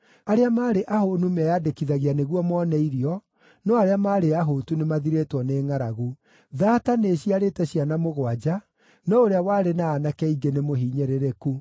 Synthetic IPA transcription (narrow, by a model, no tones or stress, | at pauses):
aɾeamaːɾeʔahonumɛadekiðaɣianeɣwɔmɔnɛiɾiɔ | nɔaɾeamaːɾeaɦotunemaðiɾetwɔneːŋaɾaɣu | ðaːtaneɕiaɾetɛɕianamoɣwad͡ʑa | nɔoɾeawaːɾenaːnakɛiɡenemoɦiɲeɾeɾeku